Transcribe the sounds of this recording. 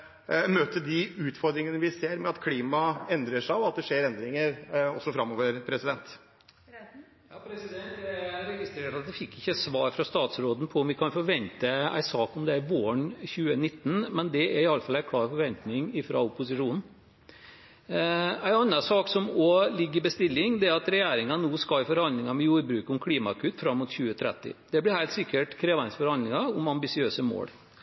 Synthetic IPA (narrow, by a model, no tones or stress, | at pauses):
møːt̪əd̪ɪʉːt̪fɔɾd̪ɾɪŋənəʋɪseːɾmɛɑt̪kʰliːmɑɛnd̪ɾəʂæɪɔɑt̪̚d̪ɛʂeːɾɛnd̪ɾɪŋəɾɔsːɔfɾɑmːɔʋəɾpʰɾɛsɪd̪ɛnt̪ | pʰɾɛsɪd̪ɛnt̪ɛɾɛɡɪst̪ɾeːʈɑt̪̚d̪ɛfɪkʰːɪçːəsʋɑːɾfɾɑst̪ɑːt̪sɾoːd̪n̩pʰɔʊmʋɪkʰɑnfɔɾʋɛnt̪əæ̰ɪsɑːkɔmd̪ɛæɾʋoːəɳçʉːənɪt̪ːn̩mɛnd̪ɛæɾɪɑlːəfɑlːæɪkʰlɑːɾfɔɾʋɛnt̪nɪŋɪfɾɑ̰ʊpʊsɪʂuːnn̩ | æɪnɑnːɑsɑːksɔmɔlɪɡːɪbəst̪ɪlːɪŋd̪ɛæɾɑt̪ɾɛjæːɾɪŋɑnuːskɑfɔɾhɑnd̪lɪŋɑmɛjuːɾbɾʉːkʊmkʰliːmɑkʰʉt̪ːfɾɑmːʊt̪çʉːət̪ʰɾɛ̰t̪ːɪ̰d̪̥ɛblɪɾhæɪlt̪sɪkːəʈkʰɾeːʋæɾɪnsfɔɾhɑnd̪lɪŋɑʊmɑmbɪsɪøːsəmo̰ːɽ